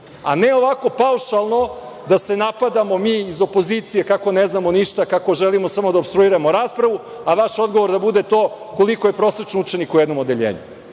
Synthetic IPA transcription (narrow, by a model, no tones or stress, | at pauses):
a̰neoʋako̞pauʃalˠno̞ | d̪ase̞napad̪amo̞miːizo̞poziːt̪sijekako̞neznamo̞niʃt̪akako̞ʒelimosamo̞d̪aopst̪ɾuiɾamoɾaːspɾaʋu | aʋaʃod̪ɡoʋoɾd̪abud̪et̪oː | kolikojepɾo̞sɾet͡ʂnout͡ʃenikujɛd̪no̞mo̞d̪eʎḛːɲṵ